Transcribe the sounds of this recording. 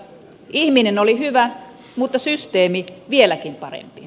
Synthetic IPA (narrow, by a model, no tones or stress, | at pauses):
ʔihminenolihyʋæ | mut̪ːɑsyst̪eːmiʋielækimpɑrḛmpi